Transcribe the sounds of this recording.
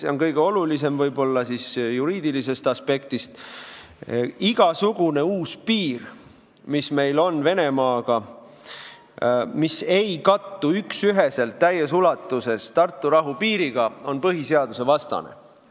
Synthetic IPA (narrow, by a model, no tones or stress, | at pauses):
seo̞nkɤjɡeo̞lulise̞mvɤjbo̞lːɑsisjuɾiːd̪̥ilise̞st̪ɑspe̞kt̪ist̪ | iɡ̥ɑsuɡ̥une̞uːspiːr | misme̞jlo̞nve̞ne̞mɑːɡ̥ɑ | mise̞jkɑt̪ːuyksyɦe̞se̞lt̪ːæjːes̬ulɑt̪ːˑuse̞st̪ɑrt̪ːˑuɾɑɦupiːɾiɡ̥ɑo̞npɤɦise̞ɑd̪̥use̞vɑst̪ɑ̰nḛ